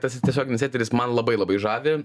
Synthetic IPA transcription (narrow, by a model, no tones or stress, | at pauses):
t̪ɐst̪ʲiɛsʲoːɡʲɪnɪsʲæːt̪ʲɛɾʲɪsmɐnlˠɐbɐɪlˠɐbɐɪʒɑːʋʲɪ